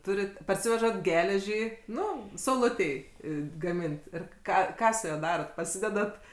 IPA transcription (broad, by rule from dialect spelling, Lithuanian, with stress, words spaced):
ˈtʊrʲɪt pɐrʲˈsʲɪʋʲɛʒɐt ˈɡʲæːlʲɛʒʲiː ˈnʊ sɐʊˈlˠʊtʲɛɪ ɡɐˈmʲɪnt ˈɪr ˈkɑː ˈkɑː sʊ ˈjuɔ ˈdɑːroːt pɐˈsʲɪdʲɛdɐt